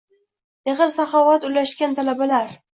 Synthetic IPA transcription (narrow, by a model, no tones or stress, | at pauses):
eʁɨlsaχɒvat̪ʊlaʃkʲant̪ʰalabalaɾ